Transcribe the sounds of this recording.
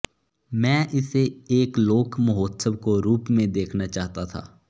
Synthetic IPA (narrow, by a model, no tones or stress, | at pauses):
mɛ̃ːʔɪseeːkloːkmɐɦoːt̪səb̚koɾuːpmẽd̪eːkʰnat͡ʃaːɦt̪at̪ʰa̰ː